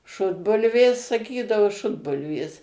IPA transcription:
ˈʃʊdbʊlʲʋʲeːs sɐˈkʲiːdɐʋʊ ˈʃʊdbʊlʲʋʲeːs

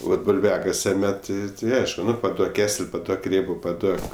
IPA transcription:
ˈʋɐt bʊlʲˈʋʲæːkɐsʲɛ ˈmʲɛt tʲɪ ˈɐɪʃkʊ ˈnʊ pɐˈduɔk ˈkʲæːsʲɛlʲ pɐˈduɔk ˈrʲeːboː pɐˈduɔk

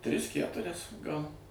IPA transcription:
ˈtʲrʲɪs ˈkʲætʊrʲɛs ˈɡɐlˠ

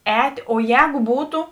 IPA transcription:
ˈɛːtʲ oː ˈjɛːɡʊ ˈbuːtʊ

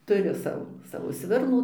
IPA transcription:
tʊˈrʲʊ ˈsɑːʋoː ˈsɑːʋoː ˈsʲʋʲɪrnuː

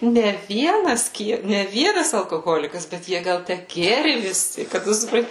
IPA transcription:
nʲɛ ˈʋʲiɛnɐs ˈkʲiɛ nʲɛ ˈʋʲiɛnɐs ɐlˠkoːˈɣoːlʲɪkɐs bʲɛt ˈjiɛ ˈɡɐlˠ ˈtʲæ ˈɡʲeːrʲɪ ʋʲɪˈsʲɪ kɐt ˈtʊ sʊpˈrɐnʲtʲɪ

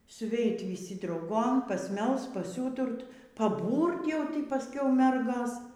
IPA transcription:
sʊˈʋʲɛɪt ʋʲiːˈsʲɪ drɐʊˈɡoːm pɐsʲˈmʲɛlˠst pɐˈsʲuːtʊrt pɐˈbuːrt jɛʊ pɐˈsʲkʲɛʊ ˈmʲɛrɡoːs

